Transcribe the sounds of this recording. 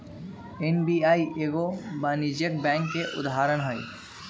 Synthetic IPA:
enbiːaːiʔeɡobaːnid͡ʒək̚bɛ̃ːŋkːeʔʊ̰d̪ɦaːɾəɽɦɔi

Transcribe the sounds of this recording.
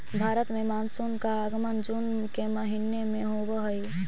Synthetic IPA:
bʱaːɾət̪mẽmaːnsunkaːɡmənd͡ʒun | keməɦinemẽɦobəɦəi

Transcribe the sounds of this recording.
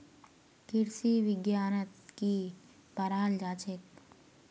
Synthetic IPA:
kɪɾsiʋɪɡjaːnət̪ki | pɐɾaːld͡ʒaːt͡ʃɪk

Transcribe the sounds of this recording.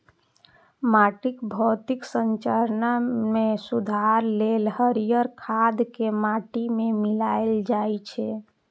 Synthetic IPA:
maʈikbʱət̪iksəɲt͡ʃəɾnamesud̪ʱaɾlelɦəɾijəɾkʰad̪kemaʈimemilaeld͡ʒajt͡ʃʰɛ

